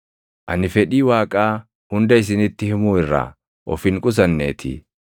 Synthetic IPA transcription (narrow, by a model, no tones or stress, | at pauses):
ʔɐnɪfɛᶑiːwaːkʼaː | hʊnd̪ɐɪs̬ɪnɪt̪ːɪhɪmuːɪrːa̰ | ʔɔ̰fɪŋkʼʊs̬ɐnːḛːt̪ʰɪ̰